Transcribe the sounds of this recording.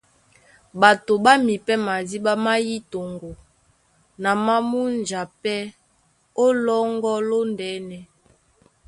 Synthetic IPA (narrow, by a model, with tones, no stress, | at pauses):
ba˨to˨ba˦mi˨pɛ˦ma˨zi˦ba˦ma˦ji˦to˨ŋɡo˨ | na˨ma˦mu˦nd͡ʒa˨pɛ˦ | o˦lɔ˦ŋɡɔ˦lo˦ndɛ˨˦nɛ˨